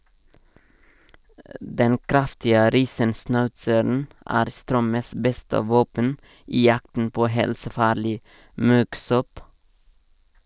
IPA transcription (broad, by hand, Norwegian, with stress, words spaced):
ˈdɛn ˈkɾɑftɪə ˈɾiːsənsnɑʉtsəɾn̩ ˈæːɾ ˈstɾœməs ˈbɛstə ˈʋoːpən ˈiː ˈjɑktn̩ ˈpoː ˈhɛlsəˌfɑːɾlɪ ˈmʉɡˌsɔp